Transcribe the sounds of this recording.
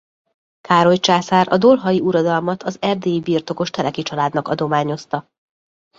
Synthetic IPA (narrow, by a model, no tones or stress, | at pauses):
kaːɾo̞jt͡ʃaːsaːɾʔɒ̰d̪o̞lɦɒjiuɾɒd̪ɒlmɒt̪ʰɒzɛrd̪eːjibiːrt̪o̞ko̞ʃt̪ɛɾɛkit͡ʃɒlaːd̪nɒkɒ̰d̪o̞maːɲo̞st̪ɒ